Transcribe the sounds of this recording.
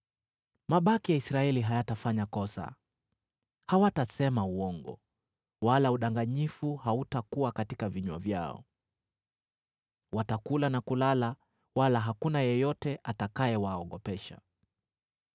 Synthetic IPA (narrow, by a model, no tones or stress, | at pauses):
maɓakijaisɾaɛliɦajatafaɲakɔsa̰ | hawatasɛmauɔŋɡɔ̰ | walauɗaŋɡaɲifuhautakuakatikaviɲwa̰vja̰ɔ̰ | watakulanakulala | walaɦakunajɛjɔtɛʔatakajɛwaɔɠɔpɛʃa̰